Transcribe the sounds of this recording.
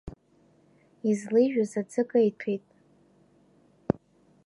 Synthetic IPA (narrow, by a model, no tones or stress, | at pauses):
izlɨʒᶣazad͡zɨkʼajtʰejtʼ